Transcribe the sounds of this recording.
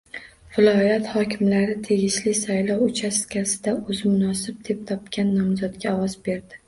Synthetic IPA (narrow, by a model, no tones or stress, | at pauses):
vɪlɒjat̪hɒkʲʰɪmlaɾɪt̪ʰe̞ɡʲɪʃlɪsajlˠɒwʊt͡ʃʰaskʲʰasɪd̪aʔɵzmʊnɒsɪb̚d̪e̞p̚t̪ʰɒp̚kʲʰanːɒmzɒt̪ɡʲaɒwɒzbe̞ɾd̪ɪ